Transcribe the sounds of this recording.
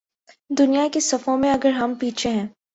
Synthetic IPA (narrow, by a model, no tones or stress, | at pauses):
d̪ʊnijakesɐfõmẽɐɡəɾɦɐmpiːt͡ʃʰeɦɛ̃ː